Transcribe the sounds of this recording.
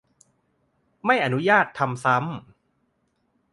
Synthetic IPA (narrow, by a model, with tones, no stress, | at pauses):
ma˥˩jʔa˧nu˦˥jaː˥˩t̪ʰːa˧msa˦˥m